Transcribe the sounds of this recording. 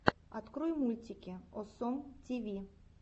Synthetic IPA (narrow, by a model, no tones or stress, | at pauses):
ɐt̪kɾujmulʲtʲɪkʲɪɔsɔmtʲivʲi